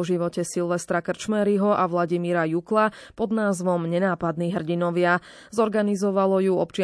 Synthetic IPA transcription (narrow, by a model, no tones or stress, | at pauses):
ɔʒiʋɔcɛsilʋɛst̪ɾakr̩t͡ʃmɛɾiɦɔʔaʋlaɟimiːɾajukla | pɔd̪naːzʋɔmɲɛnaːpad̪niɦr̩ɟinɔʋɪa | zɔɾɡanizɔʋalɔjuɔpt͡ʃɪ